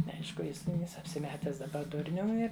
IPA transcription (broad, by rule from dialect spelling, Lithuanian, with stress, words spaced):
nʲɛˈɐɪʃkʊ ˈjɪs ˈnʲɛɪs ɐpʲsʲɪˈmʲæːtʲæːs dɐˈbɐ ˈdʊrʲnʲʊm ˈɪr